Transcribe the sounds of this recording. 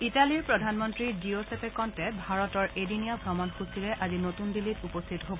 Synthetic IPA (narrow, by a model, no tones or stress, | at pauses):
italiɹpɹɔdʱanmɔntɹidiosepɛkɔntɛbʱaɹɔtɔɹedinijabʱɹɔmɔnxusiɹɛʔazinotundilitupɔst̪ʰitɔɦobɔ